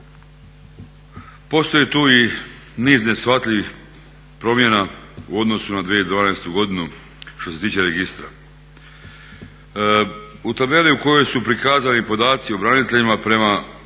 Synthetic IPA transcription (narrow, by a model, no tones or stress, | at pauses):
po̞st̪o̞jet̪uːi | niːzne̞sʋat̪lʲiʋix | pɾo̞mje̞nauo̞d̪no̞sunad̪ʋieid̪ʋaːnaest̪uɡo̞d̪inu | ʃt̪o̞se̞t̪iːt͡ʃe̞ɾeɡist̪ɾa̰ | ut̪abe̞liuko̞jo̞jsupɾikaːzanipo̞d̪aːt̪sio̞bɾanit̪e̞ʎimapɾe̞ma